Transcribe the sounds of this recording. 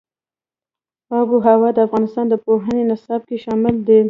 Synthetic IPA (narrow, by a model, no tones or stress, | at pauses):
ɑbuɦawɑd̪əafɣɑnɪst̪ɑnd̪əpoɦənenɪsɑb̚keʃɑmɪld̪ə